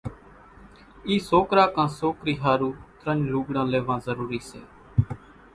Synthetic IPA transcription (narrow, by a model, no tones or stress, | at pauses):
iːsoːkɾaːkãːsoːkɾiːɦaːɾuːt̪ɾənd͡ʒluːɡɽãːleːʋãːzəɾuːɾiːsḛː